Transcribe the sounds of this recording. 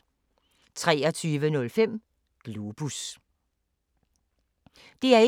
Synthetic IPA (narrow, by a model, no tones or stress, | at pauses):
t͡sʰʁɛːɒt͡sʰyːʋənɔ̽lfem̰ | ɡ̥lub̥us | d̥e̝æɐe